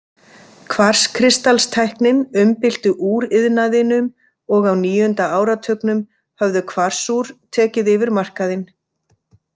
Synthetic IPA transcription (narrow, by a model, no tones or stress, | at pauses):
kʰvar̥skʰɾɪst̪alst̪ʰajhknɪnʏmpɪl̥t̪ʏʔuːɾɪðnaðɪnʏm | ɔɣawniːjʏnt̪aaːwɾat̪ʰœknʏm | hœvðʏkʰvar̥suɾ̥t̪ʰɛːcɪðɪvɪɾmar̥kaðɪn